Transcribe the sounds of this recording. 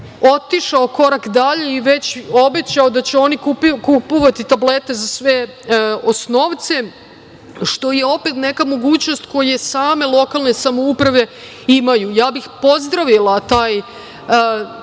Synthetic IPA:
o̞t̪iʃaoko̞ɾakd̪aʎeiʋe̞t͡ɕo̞be̞t͡ɕaod̪at͡ɕeo̞nikupkupoʋat̪it̪able̞t̪e̞zasʋeo̞sno̞ʋt̪se̞ | ʃt̪o̞je̞o̞pet̪ne̞kamo̞ɡuːt͡ɕno̞st̪ko̞je̞saːme̞lˠo̞kalˠne̞samoupɾaʋe̞ | imajujaːbixpo̞zd̪ɾaʋilˠat̪aːj

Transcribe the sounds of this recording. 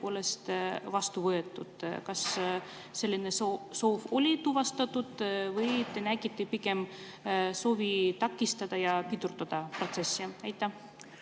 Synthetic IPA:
po̞ːle̞st̪vɑst̪uvɤe̞t̪ːˑud̪̥kɑsː | e̞lʲːinesoso̞ːvo̞lʲit̪uvɑst̪ɑt̪ːud̪̥vɤjt̪enæɡit̪ːipike̞m | so̞ːvit̪ɑkːˑist̪ɑd̪̥ɑjɑpit̪urd̪ɑd̪̥ɑpro̞t̪se̞sːiɑjt̪ˑːæ

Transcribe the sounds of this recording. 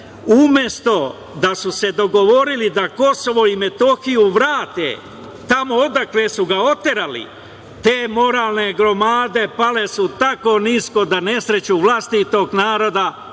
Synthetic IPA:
umje̞st̪o̞ | d̪asuse̞d̪o̞ɡo̞ʋo̞ɾilid̪ako̞so̞ʋo̞ime̞t̪o̞xijuʋɾaːt̪ḛ | t̪amo̞od̪akle̞suɡao̞t̪eɾalḭ | t̪e̞ːmo̞ɾaːlˠne̞ɡɾo̞maːd̪e̞pale̞sut̪ako̞ːniːsko̞d̪ane̞sɾe̞t͡ɕuʋlast̪it̪o̞ɡnaːɾo̞d̪a

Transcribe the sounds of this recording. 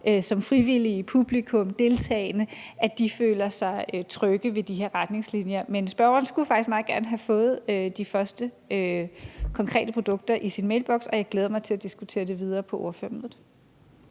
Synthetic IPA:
ʔøsɒ̽mfʁiʋilipʰub̥likʰɔ̽md̥e̝lt͡sʰɛ̰ːɪnəæd̥ifø̰ːlɐsɑ̈ɪøt͡sʰʁœɡ̥əʋe̝d̥iɦe̝ɐʁad̥ne̝ŋslinjɐmensb̥ɶɐɐnsɡ̥ufɑ̈ɡ̥isɡ̥mɑ̈ːð̩ˠɡ̥æɐnəɦæfɔ̽ːð̞̩ˠød̥ifɶɐsd̥ə | økʰɒ̽ŋkʰʁɛ̰ːd̥əpʰʁod̥ɔ̽ɡ̥̚d̥ɐʔisinmeɪlb̥ɒ̽ɡ̥sɒ̽jɑ̈ɪɡ̥leːðˠɐmɑ̈ɪt͡sʰe̝læd̥isɡ̥ut͡sʰe̝̰ːɐd̥e̝ʋið̞ˠɐːpʰɒ̽ʔoɐføɐmnð̩ˠ

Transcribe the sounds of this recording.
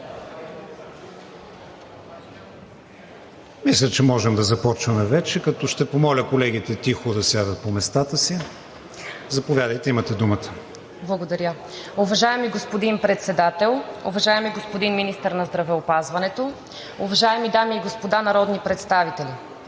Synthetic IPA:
mislʲət͡ʃɛmɔʒɛmd̪ɐzɐpɔt͡ʃvɐmɛvɛt͡ʃɛkɐt̪ɔʃt̪ɛpomɔlʲəkolɛɡ̟it̪ɛt̪ixod̪ɐsʲjad̪ət̪̚pomɛst̪at̪əsi | zɐpovʲjad̪əjt̪ɛimət̪ɛd̪umət̪ə̥ | blˠɐɡod̪ɐɾʲjə | ʊvɐʒaɛmiɡospod̪inpɾɛt̪sɛd̪at̪ɛlˠʊvɐʒaɛmiɡospod̪inminist̪əɾnɐzd̪ɾɐvɛopazvɐnɛt̪o | ʊvɐʒaɛmid̪amiːɡospod̪anɐɾɔd̪nipɾɛt̪st̪avit̪ɛli

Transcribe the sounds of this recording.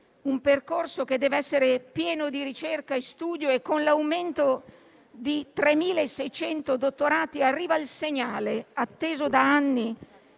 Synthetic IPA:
umperkorsok̟ed̪ːɛːvɛsːeɾepjɛːnod̪iɾit͡ʃerkaest̪uːd̪joekːonlawment̪o | d̪it̪ɾemiːlaesːɛjt͡ʃɛnt̪od̪ot̪ːoɾaːt̪iarːiːvailseɲaːleat̪ːeːzod̪aanːi

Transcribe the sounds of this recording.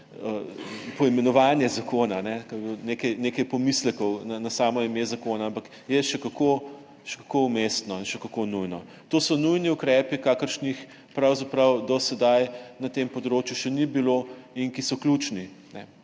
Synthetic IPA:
əpɔimɛnɔʋanjɛzakoːnanɛkaboneːkɐjnekɐjpɔmislɛkɔwnanasaːmɔimezakoːnaampɐk | jɛʃɛkako | ʃɛ̥kakoumest̪nɔinʃɛkɐkonujnɔ | t̪oːsɔnujniukɾɛːpikaːkəɾʃnix | pɾawzapɾɐwd̪ɔsɛd̪ajnɐt̪empɔd̪ɾoːt͡ʃjuʃɛnibiloinkisɔklʲut͡ʃni | nɛ

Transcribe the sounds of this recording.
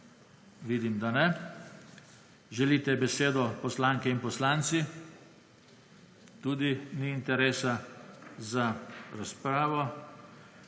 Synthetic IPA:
ʋiːd̪imd̪anɛ | ʒɛliːt̪ɛbɛseːd̪ɔpɔslaːŋkɛinpɔslaːnt̪si | t̪uːd̪iniːnt̪ɛɾeːsa | zaɾaspɾaːʋɔ

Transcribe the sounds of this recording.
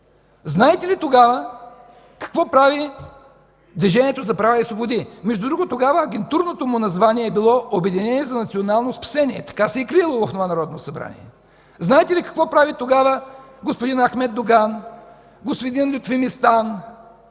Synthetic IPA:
znaɛt̪ɛlit̪oɡavə | kɐ̥kvɔpɾavi | d̪viʒɛniɛt̪ozɐpɾavaisvobod̪imɛʒd̪ud̪ɾuɡot̪oɡavəːɡɛnt̪uɾnot̪omʊnɐzvaniɛːbilˠɔʔobɛd̪inɛnʲiɛzɐnɐt̪sionalˠnospɐ̥sɛniɛ̰t̪ɐ̥kasɛikɾilˠovɐfnovanɐɾɔd̪nosɐbɾa̰nḭɛ̰ | znaɛt̪ɛlikɐ̥kvɔpɾavit̪oɡavəɡospod̪inɐxmɛd̪̚d̪oɡan | ɡosvɛd̪inɛlʲot̪fimist̪an

